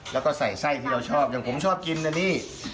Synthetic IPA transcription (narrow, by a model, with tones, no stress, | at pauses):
lɛː˦˥wkɔː˥˩sa˨˩jsa˥˩jt̪ʰiː˥˩ɾa˧wt͡ɕʰɔː˥˩p̚ja˨˩ŋpʰo˩˦mt͡ɕʰɔː˥˩p̚ki˧nna˧niː˥˩